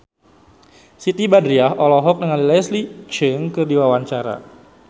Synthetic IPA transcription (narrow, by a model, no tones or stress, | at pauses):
sit̪ibadɾiaɦɔlɔɦɔk̚nəŋalilɛslit͡ʃəŋkərdiwawaɲt͡ʃaɾa̰